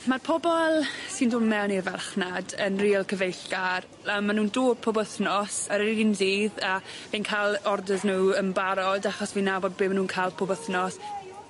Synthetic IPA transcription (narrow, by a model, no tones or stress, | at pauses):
marpʰɔbɔlˠsɨndʊːmmɛwnirvɛrχnadənriːəlˠkʰəvejɬɡ̥ar | anmanuːndoːd̚pʰɔbəθnɔsəɾɾidinziːðaviːnkʰalˠɔrdəznuːəmbaɾɔdaχɔsviːnːaːboːd̚bɪːmanuːnkʰaːlˠpʰɔbəθnɔs